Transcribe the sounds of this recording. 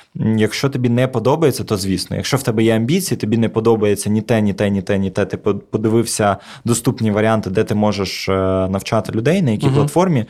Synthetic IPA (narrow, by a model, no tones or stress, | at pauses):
jɐkʃt͡ʃɔt̪ɔbʲinɛpɔd̪ɔbɐjet͡sʲːɐt̪ɔzʲʋʲisnɔ̰jɐ̰kʃt͡ʃɔwt̪ɛbɛjɛɐmʲbʲit͡sʲijit̪ɔbʲinɛpɔd̪ɔbɐjet͡sʲːɐnʲit̪ɛnʲit̪ɛnʲit̪ɛnʲit̪ɛt̪ɪpɔd̪ɪʋɪwsʲɐ | d̪ɔst̪upnʲiʋɐɾʲant̪ɪd̪ɛt̪ɪmɔʒeʃnɐwt͡ʃɑt̪ɪlʲʊd̪ɛjnɐjɐkʲiplˠɐt̪fɔrmʲi